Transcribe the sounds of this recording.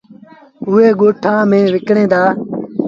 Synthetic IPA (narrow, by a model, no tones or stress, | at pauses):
ʊːeːɡoːʈʰãːmẽːʋɪkɳẽːd̪aː